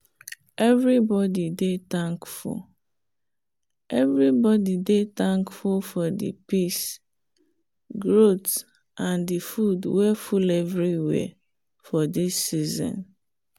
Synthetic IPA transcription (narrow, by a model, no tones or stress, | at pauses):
ɛvɾibɔdidetãŋkfṵl | ɛvɹibɔdidet̪ãŋkfulfɔdḭpis | ɡɹot | ʔãndifudwɛfulɛvɹiwɛ̰ | fɔdisːizɔ̰̃n